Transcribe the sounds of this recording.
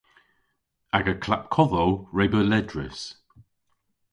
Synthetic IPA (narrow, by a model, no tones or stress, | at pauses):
aɡəkʰlap̚kʰɔðoʊɹeɪbəlɛdɹɪ̰s